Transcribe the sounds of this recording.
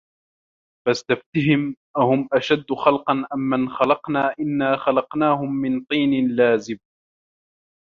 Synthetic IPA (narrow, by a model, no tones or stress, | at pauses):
fast̪aft̪ɪɦɪmʔahʊmʔaʃad̪ːʊxɑlqɑnʔamːanxalɑqnaːʔɪnːaːxɑlɑqnaːhʊmːɪnt̪ˤiːnɪnlaːzɪb